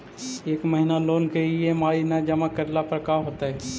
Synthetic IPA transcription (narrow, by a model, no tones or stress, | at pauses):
eːkməɦɪnaloːnkeijemaːinad͡ʒɐmakɐɾlapəɾkaɦoːt̪aɦɛː